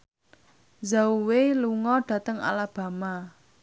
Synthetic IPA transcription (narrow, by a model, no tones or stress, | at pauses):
zauweluŋɔɖ̥ä̤t̪əŋa̰lab̥ä̤ma